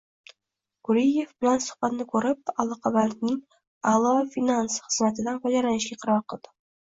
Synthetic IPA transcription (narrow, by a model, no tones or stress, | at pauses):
ɡʊɾijːe̞vbɪlansʊ̥hbat̪nɪkʰɵɾɪp̚alˠɒqʰɑbaɾnɪŋ | alˠɒfinansχɨzmat̪ʰɪd̪anpʰad͡ʒaɾlanɪʃɡʲaqʰɨɾɒɾqʰɨlˠd̪̥ɪ